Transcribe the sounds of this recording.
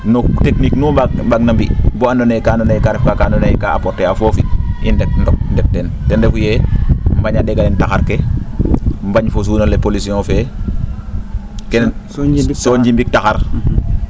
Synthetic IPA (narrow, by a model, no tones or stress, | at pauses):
nutekniknuabaɡ̚nambibɔandɔnejkandɔnejkaɾɛfkakandɔnejkaapɔɾtɛafofiindɛk̚ndɔk̚ndɛk̚tɛn | tɛndɛfujɛmbaɲadɛɡalɛntaxaɾke | mbaɲfos̬uːnolepolisiɔ̃ːfɛː | kɛn | sɔɲd͡ʒimbik̚taxaɾ